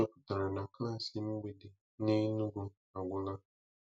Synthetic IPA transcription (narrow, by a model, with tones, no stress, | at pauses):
o˦kʊ˨ta˨ɾa˨nã˨ka˦˨sɪ˨m̩̃˦ɡ͡be˨de˨ | nɪ̃˦nũ˦ɡʊ˨ | a˨ɡʷʊ˦la˦